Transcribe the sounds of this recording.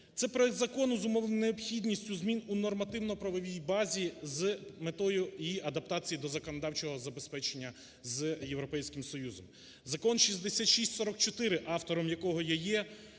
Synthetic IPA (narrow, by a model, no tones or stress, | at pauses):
t̪sɛpɾɔɛd̪zɐkɔnʊzʊmɔʋ̪ˠneɔpxʲidʲnʲisʲtʲʊzmʲinunɔrmɐt̪ɪwnɔpɾɐʋɔʋʲijbɑzʲizmet̪ɔjʊiɐd̪ɐp̚t̪ɑt͡sʲijid̪ɔzɐkɔnɔd̪ɑwt͡ʃɔɦɔzɐbespɛt͡ʃenʲːɐ | zjewɾɔpɛjsʲkɪmsɔjuzɔm | zɐkɔnʃizʲd̪esʲat̪ʃisʲtʲsɔɾɔk̚t͡ʃɔt̪ɪɾɪʔɑft̪ɔɾɔmjɐkɔɦɔjajɛ